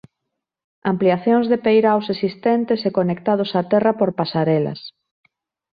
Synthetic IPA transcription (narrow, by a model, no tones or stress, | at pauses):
ampliaθjoŋzðepejɾawsesist̪ɛnt̪esekonekt̪að̞ʊsat̪ɛrɐpoɾpasaɾɛlɐ̰s